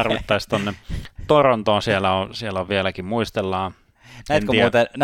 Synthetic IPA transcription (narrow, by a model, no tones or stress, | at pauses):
ɑrʋit̪ːɑist̪onːet̪oront̪oɑsielæosieloʋʋielækimmuist̪elːɑː | næenk̪iːuːt̪en